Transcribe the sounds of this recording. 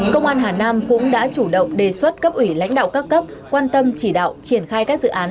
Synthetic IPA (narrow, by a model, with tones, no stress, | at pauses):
kə˧wŋ͡mʔaː˧nɦaː˨˩naː˧mkʊ̰˧˥ŋ͡mɗa̰ː˧˥t͡ɕu˧˩ɗə̰˧˨wŋ͡mɗe˨˩swə˦˥t̚kə˦˥p̚ʔwi˧˩la̰˧˥jŋ̟ɗa̰ː˧˨wkaː˦˥kːə˦˥p̚kwaː˧nt̪ə˧mt͡ɕi˧˩ɗa̰ː˧˨wt͡ɕi˧˩ənxaː˧jkaː˦˥k̚zɨ̰˧˨ʔaː˨˦n